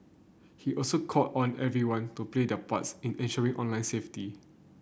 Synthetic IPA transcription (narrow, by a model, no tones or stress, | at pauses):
hiʔɔlsokʰɔtɔ̃nɛvɹiwãntupledəpa̰tsĩnɛ̃nʃəɹĩŋʔɔ̃nlãɪ̃nsefti